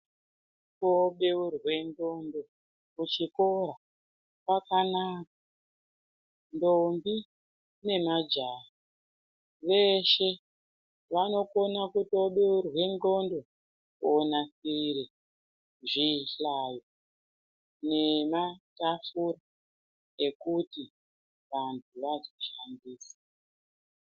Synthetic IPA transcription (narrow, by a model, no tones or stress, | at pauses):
toɓeurwe̞ndo̞ndo̞ | kut͡ʃiko̞ɾa | pwakanakḁ | ndombi | ne̞mad͡ʒara | ʋe̞ʃe̞ | ʋano̞ko̞nakuto̞ɓeurwe̞nɡo̞ndo̞ | konasiɾi | ʐiɬaːjo | ne̞matafura | ekuti | ʋantʰuʋazoʃandiːsḁ